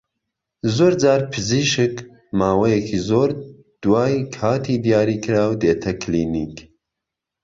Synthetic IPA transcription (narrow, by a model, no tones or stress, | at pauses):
zoːɾd͡ʒaːɾpʰɨziːʃɨk | maːwɐjekʰizoːɾ | d̪̥waːjkʰaːt̪ʰid̪ijaːɾiːkʰɨɾaːwd̪eːt̪ʰɐkʰliːniːk